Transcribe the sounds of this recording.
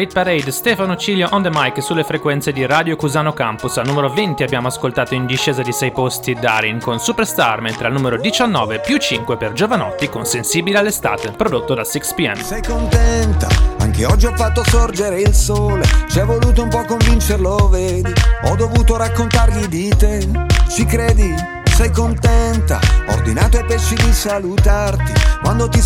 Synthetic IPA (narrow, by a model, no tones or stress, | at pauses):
it̪̚paɾejd̪st̪ɛfanot͡ʃiːljoʔond̪emajkesulːefɾekwɛnt̪sed̪iɾaːd̪jokuzaːnokampusalnumeɾovent̪iabːjaːmoaskolt̪aːt̪oind̪iʃːɛːzad̪isɛjpost̪id̪a̰ɾiŋkonsupeɾst̪arment̪ɾealnumeɾod̪it͡ʃanːɔːvepjut͡ʃiŋkweperd͡ʒovanɔ̰t̪ːikonsensiːbilealːest̪a̰ːt̪epɾod̪ot̪ːod̪asikspiɛ̰nsɛjkont̪ɛnt̪a̰a̰ŋkeɔd͡ʒːiɔfːat̪ːosord͡ʒeɾeilsoːlet͡ʃiɛvːoluːt̪oumpɔkːoɱvint͡ʃeɾloveːd̪iɔd̪ːovuːt̪oɾakːont̪aɾʎid̪it̪et͡ʃikɾɛːd̪i | sɛjkont̪ɛnt̪a̰o̰rd̪inaːt̪oepːɛʃːid̪isalut̪art̪ikwand̪ot̪i